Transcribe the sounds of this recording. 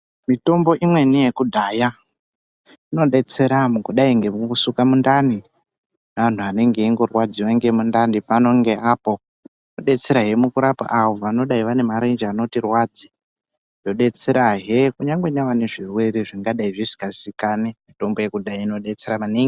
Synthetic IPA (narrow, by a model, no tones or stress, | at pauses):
mito̞mbo̞ʔimwe̞nije̞kudʱaːja | ino̞ɗe̞t͡se̞ɾamukuɗaiŋɡe̞muusukamundani | an̤uane̞ŋɡe̞iŋɡo̞rwad͡ziʋaŋɡemundandipano̞ŋɡe̞ʔapo̞ | no̞ɗe̞t͡se̞ɾaɦe̞mukuɾapa̰ʔaʋo̞ʋano̞ɗaiʋane̞maɾe̞nd͡ʒano̞tirwad͡zi | jo̞ɗe̞t͡se̞ɾaɦekuɲaŋɡwe̞neʋane̞ʐirwe̞ɾiʐiŋɡaɗaiʐisi̥kasikanemito̞mbo̞je̞kudʱajaino̞ɗe̞t͡se̞ɾamaniŋɡi